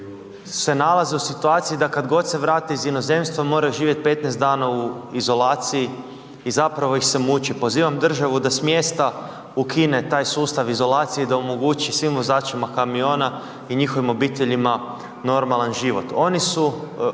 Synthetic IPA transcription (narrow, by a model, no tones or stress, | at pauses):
se̞nalˠazeusit̪uaːt̪sijid̪akad̪ɡo̞d̪se̞ʋɾaːt̪iizino̞ze̞mst̪ʋomo̞ːɾaʒiːʋjet̪̚pe̞t̪nɛzd̪d̪aːnauizo̞laːt̪siji | izapɾaʋo̞ixsemut͡ʃipo̞ziːʋamd̪r̩ʒaʋud̪asmjest̪a | ukʰine̞t̪aːjsuːst̪aʋizo̞lˠaːt̪sijed̪aomo̞ɡuːt͡ʃisʋimʋo̞zaːt͡ʃimakamio̞ːna | iɲixo̞ʋimo̞biːt̪eʎima | no̞ɾmalˠanʒiʋo̞t̪o̞nisu